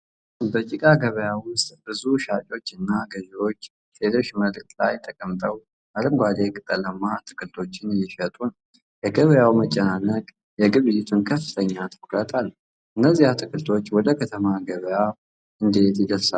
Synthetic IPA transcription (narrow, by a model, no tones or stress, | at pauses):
bət͡ʃʼikʼaɡəβəjawʊst̪ʼbɨzuʃat͡ʃʼo̞t͡ʃːɨnːaɡəziɾo̞t͡ʃː | sʰelo̞ʃːməlktʼlajt̪ʼəkʼəmt̪ʼəw | ʔaləmɡʷad̪e̞kʼɨt̪ʼələmːat̪ʰɨ̥kʰʼɨlt̪ʰo̞t͡ʃːɪnjɪʃət̪ʼun | jɛɡəβəjawmət͡ʃʼːɛnanəkʼ | jɛɡɨβɨjɪt̪ʰunkʰəfːɨt̪ʰəɲːat̪ʰəkʼɾət̪ʼal | ʔɨnːəzːihat̪ʰɨkʰʼɨlt̪ʰo̞t͡ʃːwɔd̪əkʰət̪ʰəmaɡəβəja | ʔɨnd̪e̞t̪jɪd̪əlsa